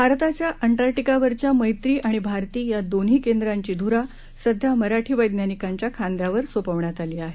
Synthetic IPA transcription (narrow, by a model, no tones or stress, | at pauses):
bʱaɾt̪at͡ɕjaʔəɳʈaɾʈikaʋəɾt͡ɕjaməjt̪ɾiːʔaɽ̃ibʱaɾt̪iːjad̪onɦiːkend̪ɾaɲt͡ɕiːd̪ʱuɾa | səd̪ʱjaməɾaʈʰiːʋəjd̪njanikaɲt͡ɕjakʰand̪jaʋəɾsopəʋɳjat̪aliːaɦe